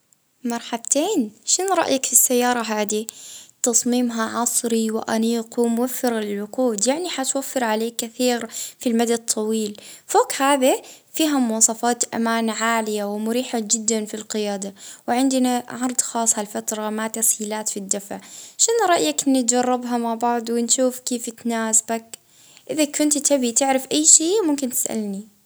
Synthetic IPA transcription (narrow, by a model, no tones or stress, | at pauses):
mɑɾˤħabt̪eːnʃɪnɾˤɑ̰ʔjakfisːajːɑːɾˤɑɦaːd̪it̪ɑsˤmiːmɦaʕɑsˤɾiwɪʔa̰niːqwɪmʊwafːɪɾalɪlʕʊquːd̪jaʕniħat̪wafːɪɾʕaleːkːɪθiːɾfilmad̪at̪ʰːɑwiːlfoːkhaːðifiːɦamʊwɑːsˤɑfɑːt̪ʔa̰maːnʕaːlɪjawɪmʊɾiːħad͡ʒɪd̪ːanfilqɪjaːd̪awɪʕɪnd̪ɪnaʕɑɾˤd̪ˤxɑːsˤhalfat̪ɾˤɑmat̪ashiːlaːt̪fid̪ːafʕʃɪnɾˤɑʔjaknɪt̪̚d͡ʒɑrˤːɑbɦamaʕbɑʕd̪ˤwɪnʃuːfkeːfɪt̪naːsbak | ʔɪðakʊnt̪t̪ʰabit̪ɪʕɾɪfʔajːʃeːmʊmkɪnt̪ɪ̥sʔa̰lni